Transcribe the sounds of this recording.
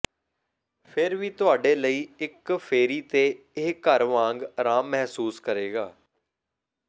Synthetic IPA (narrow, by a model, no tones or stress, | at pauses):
pʰɪɾʋiːt̪ʊaːɖeːləiːɪkpʰeːɾiːt̪eː | eːkəɾʋãːŋɡɾaːmːɛɦsuːskəɾeːɡaː